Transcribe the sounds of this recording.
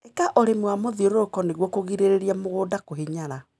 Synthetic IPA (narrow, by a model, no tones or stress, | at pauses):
ekaʔoɾemwamoðioɾokɔneɣwɔkoɣiɾeɾeɾiamoɣoːdakoɦeɲaɾa